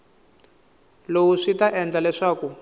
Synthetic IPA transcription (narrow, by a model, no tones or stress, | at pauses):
lowuʂitaʔɛnd͡ɮalɛʂaːku